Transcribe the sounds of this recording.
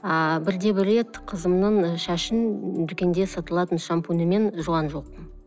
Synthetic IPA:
ɑbɪɾd̪e̞bɪɾe̞t̪qʰəzəmnəɴʃæʃɪnd̪ʏkʲe̞nd̪e̞sɑt̪əlˠɑt̪ənʃɑmpunəme̞nʒuɑnʒo̞q̚

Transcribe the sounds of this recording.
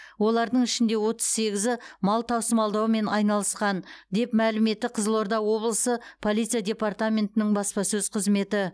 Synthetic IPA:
wo̞lˠɑɾd̪əɴɪʃɪnd̪e̞wo̞t̪ə̥z̥se̞ɡʲɪzɪmɑlˠt̪ʰɑwsəmɑlˠd̪ɑwme̞nɑjnɑlˠəsqɑnd̪e̞pmælɪme̞t̪ːɪqʰəzəlˠoɾd̪ɑwo̞blˠəsəpʰo̞lˠijt̪sɨjadʲe̞part̪amʲe̞nt̪ɪnɪŋbɑspɑsɵz̥qʰəzme̞t̪ɪ

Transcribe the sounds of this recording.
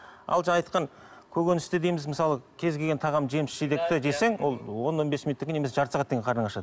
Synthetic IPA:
ɑ̰lˠʒɑɑjt̪qɑŋ | kʲʰɵɡʲe̞nɪst̪ɪd̪e̞jmɪzməsɑlˠəkʲʰe̞zɡʲelɡʲe̞nt̪ʰɑʁɑmʒe̞mɪsʃed̪ekt̪ɪd̪ese̞ŋwo̞lˠwo̞nwo̞nbe̞smʲinut̪ːɪkʲenemese̥ʒɑɾsɑʁɑt̪ːeŋʲɡʲeqʰɑɾənəɑʃɑd̪ə

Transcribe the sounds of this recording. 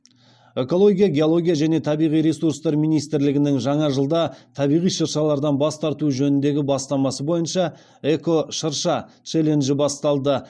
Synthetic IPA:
e̞ko̞lˠo̞ɡʲijaɡʲeo̞lˠo̞ɡʲijaʒæne̞t̪ʰɑbijʁijɾe̞surst̪ɑɾmijnijst̪ɪɾlɪɡʲɪnɪŋʒɑɴɑʒəlˠd̪ɑt̪ʰɑbijʁijʃəɾʃɑlˠɑɾd̪ɑnbɑst̪ɑɾt̪uʒɵnɪnd̪e̞ɡʲɪbɑst̪ɑmɑsəbo̞jənʃɑ | e̞ko̞ʃəɾʃɑ | t͡ʃele̞nʒɪbɑst̪ɑlˠd̪ə

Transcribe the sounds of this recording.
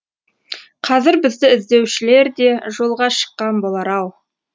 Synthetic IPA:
qʰɑzɪɾbɪzd̪ɪɪzd̪e̞wʃɪle̞ɾd̪e̞ʒo̞lˠʁɑʃə̥qːɑnbolˠɑɾɑwˠ

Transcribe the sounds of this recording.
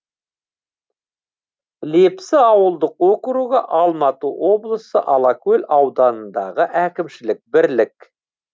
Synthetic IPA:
lepsɪɑwəlˠd̪əqwokɾuʁəʔɑlˠmɑt̪əwo̞blˠəsə̰ʔɑlˠɑkɵlʲɑwd̪ɑnənd̪ɑ̰ʁəʔækʲɪmʃɪlɪk̚bɪɾlɪk

